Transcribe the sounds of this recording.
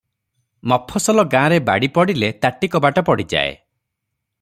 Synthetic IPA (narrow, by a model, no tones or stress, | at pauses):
mɔpʰɔsɔlɔɡãːɾeba̰ɽipɔɽilet̪aʈikɔbaʈɔpɔɽid͡ʒa̰ḛ